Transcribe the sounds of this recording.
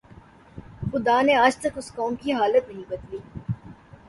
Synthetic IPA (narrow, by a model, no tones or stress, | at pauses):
xʊd̪aːneaːd͡ʒt̪ɐkʊskɔːmkiɦaːlət̪nɐɦĩbɐt̪liː